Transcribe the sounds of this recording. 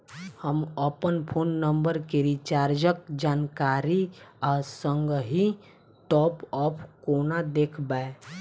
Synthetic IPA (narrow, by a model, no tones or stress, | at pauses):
həməpənpʰoːnːə̃mbəɾkeɾit͡ʃaːɾd͡ʒəkd͡ʒaːnkaːɾiaːsə̃ŋɡəɦi | t̪ɔːpɔːpʰkoːnad̪eːkʰbae